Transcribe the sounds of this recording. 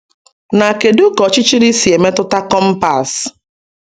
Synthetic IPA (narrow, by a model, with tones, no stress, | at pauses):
na˨ke˨du˦kɔ˨t͡ʃɪ˦t͡ʃi˦ɾi˦si˨e˨me˦tʊ˦ta˦kɔ˦m̩˦pa˨s